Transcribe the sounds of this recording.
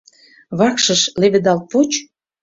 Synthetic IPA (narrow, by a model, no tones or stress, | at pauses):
βɑkʃə̆ʃleβɘ̆d̪ɑlt̪̚put͡ɕ